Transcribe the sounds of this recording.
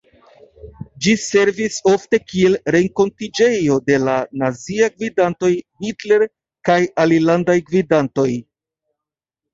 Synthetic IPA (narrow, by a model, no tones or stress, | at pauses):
d͡ʒise̞ɾviso̞fte̞kie̞lɾe̞ŋko̞ntid͡ʒe̞jo̞de̞lanaziaɡvidanto̞jhitle̞ɾ | kajalilandajɡvidanto̞j